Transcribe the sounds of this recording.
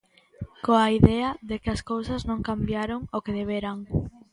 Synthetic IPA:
koaiðɛɐðekɪɐskowsɐznõŋkambjaɾoŋokeðeβ̞eɾaŋ

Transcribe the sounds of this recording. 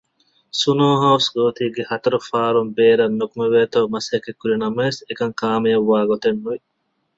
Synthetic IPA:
sunoːɦɐwsɡoːt̪iːɡehɐt̪ɐɾufaːɾumbeːɾɐnːukumeʋeːt̪ɐwmɐsekekːuɾinɐmesekɐŋkaːmijɐʋːaːɡot̪enːuʋi

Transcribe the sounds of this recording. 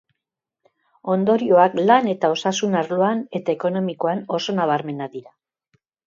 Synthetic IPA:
o̞nd̪o̞ɾio̞aklane̞t̪ao̞sasunaɾloane̞t̪aeko̞no̞miko̞ano̞so̞naβ̞aɾme̞naðiɾa

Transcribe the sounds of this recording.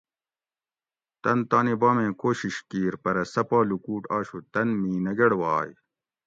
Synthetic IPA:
t̪ɐnt̪aːnibaːmẽːkoːɕiɕkiːɾpɐɾɐsɐpaːlukuːʈaːɕut̪ɐnmiːnɐɡɐɽwaːj

